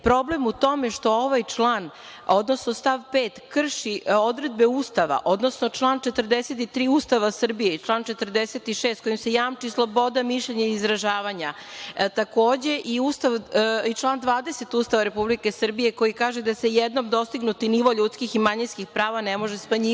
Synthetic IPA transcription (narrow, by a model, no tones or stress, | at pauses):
pɾo̞ble̞mut̪o̞meʃt̪o̞oʋajt͡ʂlaːn | o̞d̪no̞sno̞st̪aʋpeːt̪kr̩ʃiod̪ɾe̞d̪̚beuːst̪aʋa̰ʔo̞d̪no̞sno̞t͡ʂlˠaːnt͡ʃe̞t̪rd̪eset̪it̪ɾiːuːst̪aʋasr̩bijeit͡ʂlˠaːnt͡ʃe̞t̪rd̪eset̪iʃest̪̚ko̞jimse̞jaːmt͡ʃislˠo̞bo̞d̪amiʃʎeɲaiizɾaʒaːʋaɲa | t̪ako̞ːd͡ʑe̞ʔiust̪aʋit͡ʃlˠaːnd̪ʋaːd̪ese̞t̪uːst̪aʋaɾe̞publike̞sr̩bije̞ko̞jikaːʒed̪ase̞jed̪no̞md̪o̞st̪iɡnut̪iniʋoʎuːt̪skiximaɲinskixpɾaːʋanemo̞ʒesmaɲi